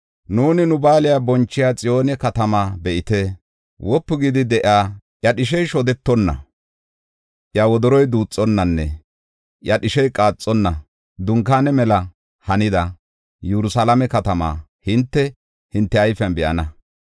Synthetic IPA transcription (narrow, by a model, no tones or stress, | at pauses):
nuːnɪnʊbaːlɪjaːbɔnt͡ʃːɪjaːt͡sʼɪjo̞ːnɛkɐt̪ɐmaːbɛʔɪt̪ɛ | wʔɔpːʊɡɪd̪ɪd̪ɛʔaː | ʔjɐɗɪʃɛjʃɔd̪ɛt̪ːɔnːɐ̰ | ʔjawɔd̪ɔɾɔjd̪uːt͡sʼːɔnːɐnːɛ̰ | ʔjɐɗɪʃɛjkʼaːt͡sʼːɔnːɐ | d̪ʊŋkaːnɛmɛlɐ | hɐnɪd̪ɐ | jɛɾʊsalɐmɛkɐt̪ɐma̰ːhɪnt̪ːɛ | hɪnt̪ːɛɐjfɐnbɪʔɐ̰nɐ